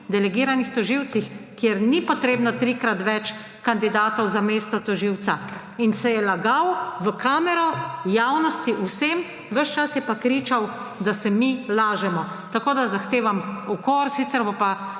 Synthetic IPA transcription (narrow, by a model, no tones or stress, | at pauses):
d̪ɛlɛɡiːɾanixt̪ɔʒiwt̪t͡s̪ixkjeɾnipɔt̪ɾeːbnɔt̪ɾikɾat̪ʋɛt͡ʃ | kand̪id̪aːt̪ɔwzameːst̪ɔt̪ɔʒiwt̪sa | insɛjɛlaɡawʋəkaːmɛɾɔjawnɔst̪iʔusem | ʋəʃt͡ʃasjɛpakɾiːt͡ʃawd̪asɛmilaːʒɛmɔ | t̪akoːd̪azaxt̪eːʋamɔkoɾsit̪sɛɾbopa